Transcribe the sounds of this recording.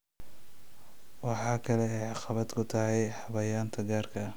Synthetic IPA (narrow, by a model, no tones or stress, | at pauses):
wɑħɑːkʰɐlɛɛjʕɑqɑβɐd̪kʰʊt̪ʰɐɦɛjħɑβɐjaːnt̪ʰɐɡaːrkʰɐ